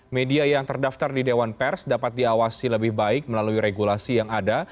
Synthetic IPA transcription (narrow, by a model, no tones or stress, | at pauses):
mediajaŋt̪ərdaft̪ardidewanpɛrsdapat̪̚diawasiləbɪhbaɪk̚məlaluiɾeɡulasijaŋada